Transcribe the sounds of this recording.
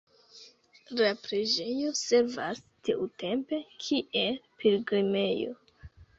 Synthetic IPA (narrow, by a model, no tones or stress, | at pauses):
lapɾed͡ʒe̞jo̞se̞ɾva̰s | tiʔute̞mpe̞kʰiʔe̞lpilɡɾime̞jo̞̰